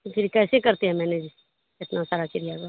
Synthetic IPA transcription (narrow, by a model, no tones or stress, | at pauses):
pʰɪɾkɛːsekɐɾt̪eɦɛ̃mɛ̃ːned͡ʒi | ɪt̪nasaːɾat͡ʃɪɾijaɡa